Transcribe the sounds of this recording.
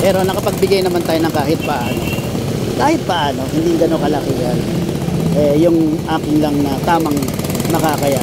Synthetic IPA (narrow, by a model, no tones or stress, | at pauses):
pɛːɾo̞nɐkɐpɐɡ̚bɪɡajnɐmant̪aːjonɐŋkaːɦɪt̪̚pɐʔaːno̞ | kaːhɪt̪̚pɐʔaːno̞hɪnd̪iŋɡɐnokɐlakɪɡal | ʔɛjʊŋʔaːkɪnlɐŋnɐt̪aːmɐŋ | nɐkakɐja